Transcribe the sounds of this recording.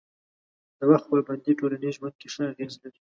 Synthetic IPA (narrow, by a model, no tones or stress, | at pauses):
d̪̥əwaxt̪̚pəlband̪iʈolaniʒwand̪̚keʂəaɣeznaɾi